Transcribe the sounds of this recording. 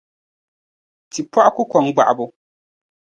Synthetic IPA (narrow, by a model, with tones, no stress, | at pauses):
ti˨pɔ˦ʔkʊ˦kɔ˨ŋɡ͡ba̰˨ʔbʊ˨